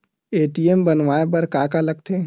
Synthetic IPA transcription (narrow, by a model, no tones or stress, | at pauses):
eːʈiembənʋaep̬ɐɾkaːkaləɡ̚t̪ʰe